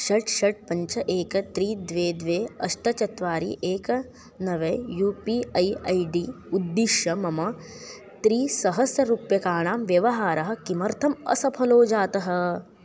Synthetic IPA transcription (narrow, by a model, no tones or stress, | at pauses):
ʃɐʈʃɐʈ̚pɐɲt͡ʃɐʔeːkɐt̪ɾiːd̪ʋeːd̪ʋeːɐʃʈɐt͡ʃɐt̪ʋaːɾḭːʔeːkɐ | nɐʋejuːpiːɐjɐjɖiː | ud̪ːiʃjɐmɐmɐ | t̪ɾiːsɐɦɐsjɐɾuːpjɐkaːɳ̃aːmʋjɐʋɐɦaːɾɐɦɐ̆kimɐɾt̪ʰɐmɐ̰sɐpʰɐloːd͡ʒaːt̪ɐɦɐ̆